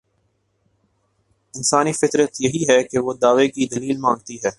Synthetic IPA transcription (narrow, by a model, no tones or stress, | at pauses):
ɪnsaːnifɪt̪ɾət̪jɐɦiɦɛkeʋod̪aːʋekid̪ɐliːlmãːŋɡ̚t̪iɦɛː